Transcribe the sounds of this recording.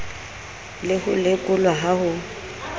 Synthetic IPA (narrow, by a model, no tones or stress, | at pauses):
lɪhʊlɪkʼʊlwaɦahʊ